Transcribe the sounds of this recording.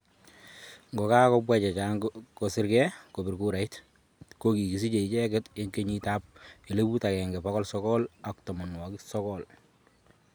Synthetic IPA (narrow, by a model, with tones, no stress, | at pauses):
ŋɡɔ˨ka˦kɔbwat͡ʃɛ˨t͡ʃaːŋko˨sɪ˦ɾkɛ˦ko˨bɪ˨ɾku˦ɾa˨it | ko˦ki˨ki˨si˦t͡ʃe˨i˨t͡ʃɛ˦kɪ˦te˦ŋke˦ɲi˦ta˦p̚e˨le˦bu˦ta˨kɛ˨ŋɡɛ˨pa˦kɔ˦lsɔ˦kɔla˨ktɔmɔ˨nwɔ˨kisɔ˦kɔl